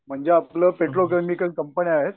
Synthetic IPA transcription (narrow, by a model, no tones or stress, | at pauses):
m̤əɳd͡ʑeapləpeʈɾok̬emikəlkəmpəniaɦet̪̚